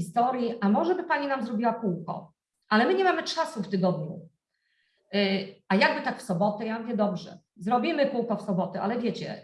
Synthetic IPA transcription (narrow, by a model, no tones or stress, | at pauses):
ist̪ɔɾʲjiʔamɔʐɛbɘpaɲinamzɾɔbʲiwakuwkɔ̰ | ʔalɛmɘɲɛmamɘt͡ʂasuft̪ɘɡɔd̪ɲu | ajaɡ̚bɘt̪akfsɔbɔt̪ɛjavʲjɛd̪ɔbʐɛ̰ | zɾɔbʲimɘpuwkɔfsɔbɔt̪ɛʔalɛvʲjet͡ɕɛ̰